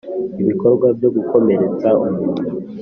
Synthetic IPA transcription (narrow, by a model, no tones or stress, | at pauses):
iβiko̞ɾɡwavjo̞ɡuko̞me̞ɾe̞t͡saumuu